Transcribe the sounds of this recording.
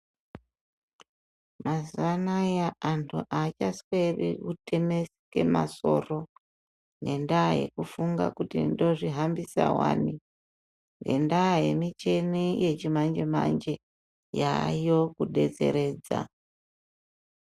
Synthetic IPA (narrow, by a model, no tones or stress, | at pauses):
mazanajaantʰuʔat͡ʃaswerikutemesi̥ke̞ma̰so̞̰ro̞ | ne̞ndaje̞̰kufuŋɡa̰kutindo̞ʐiɦambisa̰wa̰ːni | ŋɡe̞ndaːje̞mit͡ʃe̞nije̞t͡ʃimand͡ʒemand͡ʒe̞ | jajo̞kuɗe̞d͡ze̞̰ɾe̞ːd͡za̰